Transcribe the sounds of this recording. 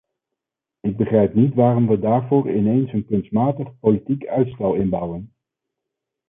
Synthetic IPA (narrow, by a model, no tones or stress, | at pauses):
ɪɡ̚bəχrɛjpnitʋaːrɔmʋədaːɹvʊːɹɪnejnsənkɵnstmaːtəχpolitikœɥtstɛlˠɪnbʌwən